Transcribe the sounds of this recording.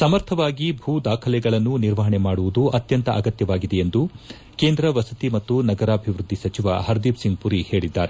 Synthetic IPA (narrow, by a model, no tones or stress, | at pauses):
sɐmɐɾt̪ʰɐʋaːɡibʱuːd̪aːkʰɐlɛɡɐɭɐnːuniɾʋɐɦɐɳemaːɽuʋud̪uʔɐt̪jɐnt̪ɐʔɐɡɐt̪jɐʋaːɡid̪eend̪u | ke̞ːnd̪ɾɐʋɐsɐt̪imɐt̪ːunɐɡɐɾaːbʱiʋɾud̪ʱːisɐt͡ʃiʋɐ̰ɦɐɾd̪iːpsiŋɡ̚puɾihe̞ːɭid̪ːa̰ːɾe